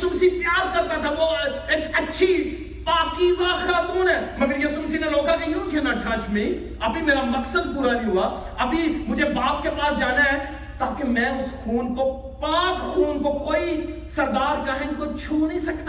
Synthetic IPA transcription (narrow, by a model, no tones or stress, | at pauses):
sʊmsipjaːd̪̚kɐɾt̪at̪ʰaʋo | eːkɐtːʃʰi | paːkiʋaːxaːt̪uːnɦɛːmɐɡəɾjesʊmsineloːkãkejũːɡ̪ʱjaːnaʈʰãːt͡ʃmẽ | ɐpĩmeːɾamɐksəd̪̚puːɾanĩɦʊaː | ɐbʱimʊd͡ʒʱebaːp̚kepaːsd͡ʒaːnaɦɛː | t̪aːkemɛ̃ːʊskʰuːnko | pãːt͡ʃkʰuːnkokoːisɐɾd̪aːɾkaɦɪ̃nkot͡ʃʰuːnəɦĩsɐk̚t̪a